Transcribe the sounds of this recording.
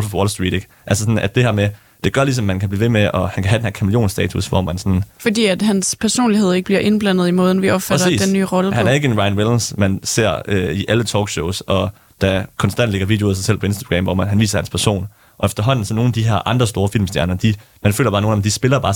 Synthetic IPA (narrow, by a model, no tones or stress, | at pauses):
lffɒlsd̥ʁḭːd̥e̝ɡ̥ | ʔælsəsɒ̽n̩æd̥̚e̝hɛɐ̰me | d̥e̝ɡ̥ɶɐlis̬ɒ̽mmːænkʰæb̥liːʋe̝meʔɒ̽hænkʰæɦæd̥enheɐkʰæmljo̝̰ːnsd̥ɛ̰ːt͡sʰusʋɒ̰mænsɒn̩fɒd̥ḭːæd̥ɦænspʰæɐso̝̰ːnlihe̝ð̞̰ˠe̝ɡ̥əb̥liɐ̰ʔenb̥lænð̞̩ˠimɔ̽ːð̞ˠn̩ʋiɒ̽b̥fæɛɾɐḭːdenːy̰ːʁɒ̽ləhænæɐe̝ɡ̥əe̝nʁɑ̈ɪnwelnsmænse̝ɐ̰øiʔælət͡sʰɒ̰ːɡ̥ɕɔʊsɒ̽ | d̥ækʰɒ̽nsd̥æn̰d̥le̝ɡ̥ɐʋḭd̥jðˠs̬ɪsel̰pʰɒ̽e̝nsd̥æɡ̥ʁɛ̰mʋɒmɦænʋḭːsɐhænspʰæɐso̝̰ːn | ʔɒ̽efd̥ɐɦɒ̽n̰n̩sɒ̽no̝ːn̩æd̥iɦæɐʔɑ̈nd̥ʁɐsd̥o̝ːɐfil̰msd̥jæɐnɐd̥i | mænfø̰ːlɐb̥ɑ̈ːno̝ːn̩ɒ̽md̥isb̥e̝lɐbɑ̈ː